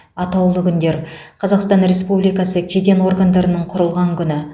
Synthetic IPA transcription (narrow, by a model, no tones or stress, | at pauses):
ɑt̪ɑwlˠəkʲʰʏnd̪e̞ɾqʰɑzɑqst̪ɑnɾe̞spublijkɑsəkʲʰe̞d̪e̞nwo̞ɾɡand̪ɑɾənəɴqʰʊɾəlˠʁɑŋkʲʰʏnɪ